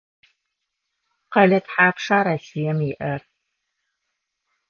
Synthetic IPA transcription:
qɐɮɐtħaːpʂaːɾɐsijɛmjɪʔɐr

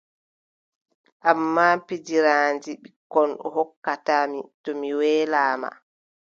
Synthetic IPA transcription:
ʔamːaːpid͡ʒiɾaːnd͡ʒiɓikɔnɗɔhɔkːataːmitɔmiwɛːlaːma̰

